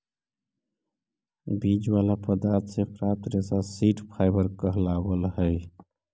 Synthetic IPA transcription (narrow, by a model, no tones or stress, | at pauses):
bid͡ʒwalapəd̪aɾt̪ʰsepɾat̪ɾesasiʈpʰaɪbəɾkəɦlabəlɦəj